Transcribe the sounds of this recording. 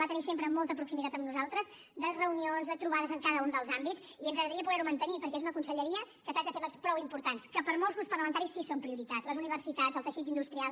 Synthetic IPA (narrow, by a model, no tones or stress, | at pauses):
at̪ənisempɾəmɔlˠt̪əpɾuksimit̪at̪əmnuzalˠt̪ɾəz | d̪ərəunionzðət̪ɾuβaðəzəŋkaðəund̪əlˠzambit͡siənzɣəɣɾəðəɾiəpuɣɛɾumənt̪ənipəɾkɛezunəkunsəʎəɾiəkəfet̪ət̪eməspɾɔwimpuɾt̪anskəpəɾmolˠzɣunspərləmənt̪aɾisːisompɾiuɾit̪atləzuniβərsit̪ad͡zəlˠt̪əʃit̪ind̪ust̪ɾialˠ